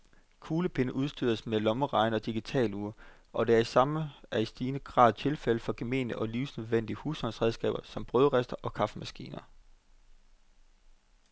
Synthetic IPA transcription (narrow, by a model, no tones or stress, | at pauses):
kʰuːləpʰe̝nəʔuð̞ˠsd̥yð̰ˠɐsmelɒ̽məʁɑ̈ɪnəɒ̽d̥iɡ̥it͡sʰɛ̰ːluːɐ | ʔɒ̽d̥eæɐisɑ̈məæisd̥iːnəɡ̥ʁɑ̰̈ːðˠt͡sʰe̝lfel̰əfɒ̽ɡ̥e̝me̝̰ːnəʔɒ̽liːʊsnøðˠʋen̰d̥iəhuːshɒ̽nsʁɛð̞ˠsɡ̥ɛ̰ːb̥ɐsɒ̽mb̥ʁœðˠʁɛsd̥ɐʔɒ̽kʰɑ̈fəmæsɡ̥ḭːnɐ